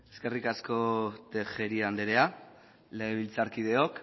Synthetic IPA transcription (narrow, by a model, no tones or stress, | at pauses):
eske̞rikasko̞t̪exeɾiand̪eɾe̞a | leːβ̞ilt͡saɾkiðe̞o̞k